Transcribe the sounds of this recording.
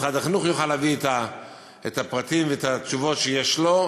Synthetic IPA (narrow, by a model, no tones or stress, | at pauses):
χad̪aχinuχjoχalːaviet̪a | et̪apʁat̪imveet̪at͡ʃuvo̞t̪ʃejeʃlo̞